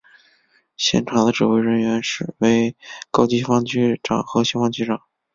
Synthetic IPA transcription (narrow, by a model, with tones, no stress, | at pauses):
ɕjɛ̰˥˩nʈ͡ʂʰɑ˨˩ŋd̪ə˦ʈ͡ʂɻ̩˨˩we˥ɪɻə˧˥nɥɛ˧˥nʂɻ̩˥˩we˧˥ɪkɑ˥ʊt͡ɕi˥fɑ˥ŋt͡ɕʰy˥ʈ͡ʂɑ̰˨˩ŋxɤ˧˥ɕjɛ˥fɑ˥ŋt͡ɕʰy˥ʈ͡ʂɑ˨˩˦ŋ